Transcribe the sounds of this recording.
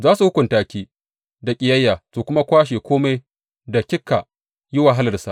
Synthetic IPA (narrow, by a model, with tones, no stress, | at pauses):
zaː˦su˨hʊ˦kʷʊ˨ntaː˦˨kʲiː˦ | da˨kʲʼɪ˨jɐ˦jːaː˨soː˨kʷʊ˦ma˦kʷaː˦ʃ̬eː˨kʷoː˦ma˦j | da˨kʲɪ˦kːa˨ | jɪ˦waː˨ɦa˦lɐ˨rsa˨ʔ